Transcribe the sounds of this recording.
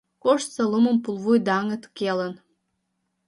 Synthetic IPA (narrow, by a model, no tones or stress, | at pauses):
koʃt̪səluməmpulˠβujd̪ɑŋə̆t̪kelən